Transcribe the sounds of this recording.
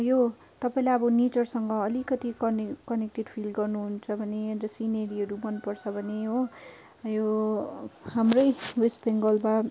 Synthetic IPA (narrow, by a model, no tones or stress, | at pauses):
jo | t̪ʌpaĩlajʌbʌnit͡sʌrsʌŋɡʌːlikʌt̪ikʌnkʌnek̚ʈeɖpʰilɡʌrnuɦunt͡sʰʌbʱʌnerʌsineɾiɦʌɾubʌnpʌrt͡sʰʌbʱʌnejo | jo | hamrʌjwespeŋɡʌlba